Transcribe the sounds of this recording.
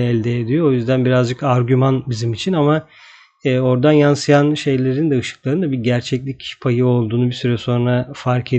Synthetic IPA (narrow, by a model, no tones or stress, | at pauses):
ɛlʲd̪ɛːd̪ijoojyzd̪ænbiɾazd͡ʒɯkaɾɟymanbizimit͡ʃʰinama | ɛːo̞ɾd̪anjansɯjanʃe̞jlʲe̞ɾind̪ɛɯʃɯ̥klˠaɾɯnd̪abiɾɟæɾt͡ʃʰɛclʲicpʰajɯo̞lˠd̪uːnubisyɾɛso̞nɾafaɾkʰe